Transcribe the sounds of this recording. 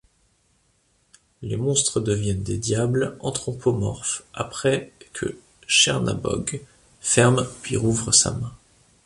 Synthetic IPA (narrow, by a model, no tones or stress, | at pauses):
lemɔ̃st̪χəd̪əvjɛnd̪ed̪jablɑ̃t̪χɔ̃pʰomɔ̰ʁfapχɛkʰə̰ | ʃɛʁna̰bɔ̰ɡ | fɛʁmpɥḭʁuvʁəsa̰mɛ̃